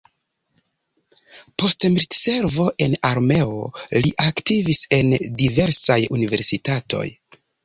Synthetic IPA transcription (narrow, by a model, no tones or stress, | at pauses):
po̞stmitse̞ɾvo̞ʔe̞naɾme̞o̞̰liʔaktivise̞ndive̞ɾsajunive̞ɾsitatʰo̞̰j